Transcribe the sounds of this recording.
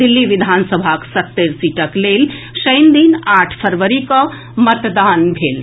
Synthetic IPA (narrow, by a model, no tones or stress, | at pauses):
ilːiʋɪd̪ʱansəbʱaksət̪ːeɾsiʈəklel | ʃəɪnd̪inaːʈʰpʰəɾʋəɾikə | mət̪d̪anbʱel